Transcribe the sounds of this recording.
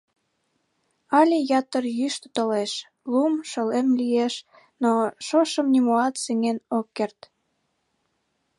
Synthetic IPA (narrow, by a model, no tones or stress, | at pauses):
ɑlʲijɑt̪ərjyʃt̪t̪oleʃ | lumʃəlemlieʃ | noʃoʃəmnimoɑt̪seŋenokːert̪